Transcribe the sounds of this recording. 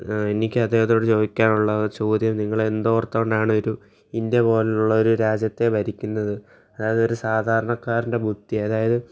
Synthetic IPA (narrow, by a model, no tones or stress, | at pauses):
enikʲːɨɐd̪eːhɐðoːɽet͡ɕo̞ːikʲːaːnuɭːɐt͡ɕo̞ːd̪jɐmniŋːɐɭe̞nd̪ort̪ːɐoɳɖaːɳɨo̞ɾu | inde̞po̞ːleuɭːɐo̞ɾuɾaːd͡ʑjɐt̪ːe̞bɐɾikʲːunːɐðɨ | ɐðaːjɐðɨo̞ɾusaːd̪ʱaːɾɐɳɐkːaːɾinde̞bʱud̪ʱːiɐðaːjɐðɨ